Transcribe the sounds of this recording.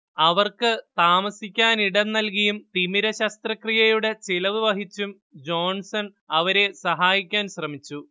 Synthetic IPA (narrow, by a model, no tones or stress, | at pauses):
ɐʋɐrkɨt̪aːmɐsikʲːaːniɽɐnnɐlkɐjumt̪imiɾɐɕɐst̪rɐkrijɐjuɽe̞t͡ɕilɐʋiʋɐɦit͡ɕːum | d͡ʑo̞ːnsɐn | ɐʋɐɾe̞sɐɦaːjikʲːaːnɕrɐmit͡ɕːu